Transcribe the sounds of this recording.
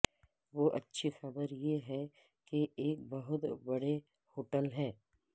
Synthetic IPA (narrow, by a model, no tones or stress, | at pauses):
ʋoʔɐtːʃʰixɐbəɾjeɦɛ | keeːk̚bɐɦʊt̪bɐɽe | hoːʈəlɦɛː